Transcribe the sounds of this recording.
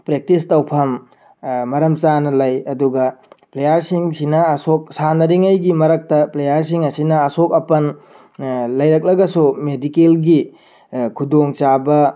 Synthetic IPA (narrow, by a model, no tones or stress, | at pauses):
pɾek̚tistɐwpʰɐmː | ɐɾɐmt͡ʃanɐlɐjɐduɡɐplejaɾsiŋsinɐɐsok̚sanɐɾiŋɐjɡimɐɾɐk̚tɐplejaɾsiŋɐsinɐːsok̚ɐpɐn | lɐjɾɐk̬̚lɐɡɐsumedikelɡi | kʰudoŋt͡ʃabɐ